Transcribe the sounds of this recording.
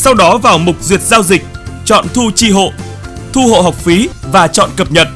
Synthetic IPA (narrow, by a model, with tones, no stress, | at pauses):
sa˧wɗɔ˨˦vaː˨˩wmʊ˨˩k͡p̚zwi˨˩ət̚zaː˧wzï˨˩k̟̚t͡ɕɔ̰˧˨nt̪ʰu˧t͡ɕi˧ɦo̰˧˨ | t̪ʰu˧ho̰˧˨ɦa˨˩wk͡p̚fi˨˦vaː˨˩t͡ɕɔ̰˧˨nkə˨˩p̚ɲə˨˩t̚